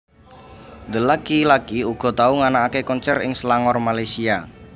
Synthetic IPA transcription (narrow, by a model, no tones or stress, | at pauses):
nd̪əlakilakiuɡ̥ɔ̤t̪auŋanaːkekɔnt͡ʃɛrɪ̰ŋslaŋɔrmalajsia